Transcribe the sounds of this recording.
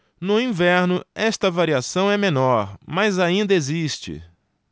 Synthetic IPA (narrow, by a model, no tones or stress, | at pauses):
nʊĩvɛɾnʊɛst̪ɐvaɾiasɐ̃w̃ɛmẽnɔɾmazaĩnd̪ɐezist͡ʃɪ̰